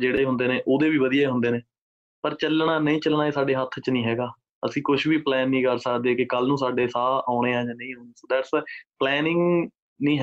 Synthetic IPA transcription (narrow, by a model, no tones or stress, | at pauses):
d͡ʒeːɽeːɦʊ̃nd̪eːneːʔoːd̪eːbiːʋəd̪ijaːɦʊnd̪eːneː | pəɾt͡ʃəlɳaːnəĩːt͡ʃəlnaːeːsaːɖeːɦət̪ʰːt͡ʃnĩːɦɛːɡaː | əsĩːkʊʃbiːplɛːnːĩːkəɾsəkd̪eːkɪkəlnũːsaːɖeːsaːaːɽ̃eːãːjãːnəĩːaːaːsd̪ɛːʈsplɛːnɪŋɡ | nĩːɦ